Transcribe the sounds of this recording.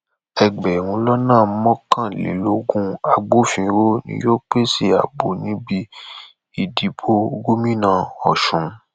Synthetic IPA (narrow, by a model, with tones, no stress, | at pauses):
ɛ˨ɡ͡bɛ˨wũ˧lɔ˦nãː˦˨˦mɔ̃˦kã˦˨lḛ˨˦lo˦ɡũ˧a˧ɡ͡bo˦fĩ˧ɾo˦nḭ̃˧˦jo˦k͡pe˦si˦˨a̰˨bo˨nĩ˦bi˧ | i˦˨di˨bo˦ɡo˦mĩ˦nã˦˨ɔ˨ʃũ˨˦